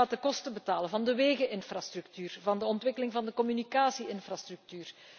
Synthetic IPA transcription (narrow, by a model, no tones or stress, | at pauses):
aːtəkɔstəbətaːləvɑndəʋeːɣəʔɪnfraːstrʉktyːrvɑndəɔntʋɪkəlɪŋvɑndəkɔmynikaːsiɪnfraːstryk̚tyːr